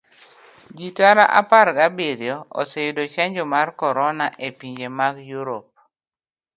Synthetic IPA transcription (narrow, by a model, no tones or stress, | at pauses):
ɡitaɾaʔa̰paɾɡabiɾjɔo̰sejʊdot͡ʃɛɲd͡ʒɔmarkɔɾɔnaʔepiɲd͡ʒemaɡjuɾop̚